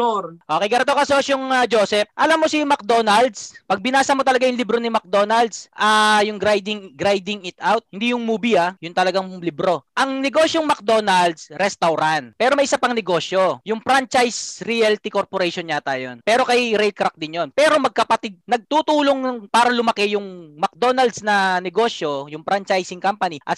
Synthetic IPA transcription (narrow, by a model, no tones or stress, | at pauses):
ʔoːkɛjɡɐɾɛt̪okɐsosjʊŋɐd͡ʒoːsɛp̚ʔɐlamːosimɐk̚d̪o̞nɐld̪spɐɡ̚bɪnaːsɐmot̪ɐlɐɡajʊŋlɪbɾonɪmɐk̚d̪o̞ːnɐld̪sʔaːjʊŋɡɾajd̪ɪŋɡɾajd̪ɪŋɪt̪ʔawt̪̚hɪnd̪ijʊŋmuːbɪjɐjʊnt̪ɐlɐɡaŋlɪbɾo̞ʔɐŋnɛɡo̞ːʃjoŋmɐk̚d̪o̞ːnɐld̪sɾɛst̪ɐwɾant̪̚pɛːɾomɐjʔɪsapɐŋnɛɡo̞ːʃjo̞jʊŋpɾant͡ʃajsɾialt̪ikoɾpoɾɛjʃonɲat̪aːjo̰npɛːɾo̞kɐjɾɛlkɾak̚d̪ɪnjonpɛːɾo̞mɐɡ̚kɐpɐt̪ɪd̪̚nɐɡ̚t̪ut̪uːloŋŋpaːɾɐlʊmɐkɛjʊŋmɐk̚d̪o̞nɐld̪snɐnɛɡo̞ʃjo̞jʊŋpɾant͡ʃajsɪŋkampɐniʔɐt̪̚